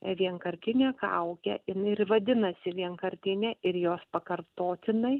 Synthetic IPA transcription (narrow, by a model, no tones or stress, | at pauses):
ʋʲiɛŋkɐɾʲt̪ʲɪnʲeːkɐʊkʲɛ̰ɪnrʋɐd̪ʲɪnɐsʲɪʋʲiɛŋkɐɾʲt̪ʲɪnʲɛʔɪɾjoːspɐkɐrt̪oːt̪ʲɪnɐɪ